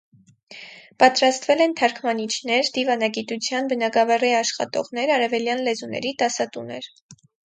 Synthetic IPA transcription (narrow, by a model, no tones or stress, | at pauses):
pɑt̪ɾɑst̪vɛlɛnt̪ʰɑɾkʰmɑnit͡ʃʰnɛɾd̪ivɑnɑɡit̪ut͡sʰjɑnbənɑɡɑvɑriɑʃχɑ̰t̪ɔ̰ʁn̪ɛɾɑɾɛvɛljɑnlɛzunɛ̰ɾit̪ɑsɑt̪unɛɾ